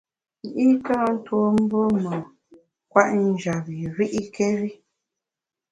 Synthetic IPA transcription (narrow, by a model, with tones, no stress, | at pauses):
i˨ʔi˦ka˦n̩˦two˦m̩˦bo˦mə˨ | kwa˦ʔn̩˦d͡ʒa˨βi˨ɾi˦ʔi˦ke˦ɾi˦